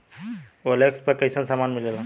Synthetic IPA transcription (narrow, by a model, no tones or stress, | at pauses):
olekspɐkəjsənsamaːnmilela